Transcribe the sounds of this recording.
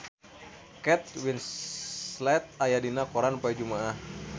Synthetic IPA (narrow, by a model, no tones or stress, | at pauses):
kɛt̪̚wins | lɛt̪̚ajadinakoɾanupajad͡ʒumaah